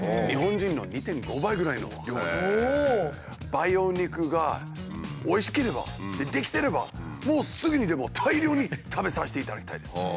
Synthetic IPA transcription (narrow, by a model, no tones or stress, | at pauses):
ɲʲiɦõ̞ɲ̟d͡ʑĩnːo̞̰ɲ̟it̪ẽ̞ŋɡo̞baiɡɯ̟ɾaino̞̰βa̰jo | b̥aijo̞ikɯ̟ɡa | oiɕi̥ke̞ɾe̞ba̰d̪e̞d̪ekʲi̥t̪e̞ɾe̞ba̰mo̞ːsɨɡɯ̟ɲ̟id̪e̞mo̞t̪ʰaiɾʲjo̞ːɲ̟it̪ʰabe̞saɕi̥t̪e̞it̪ad̪akʲit̪aid̪e̞s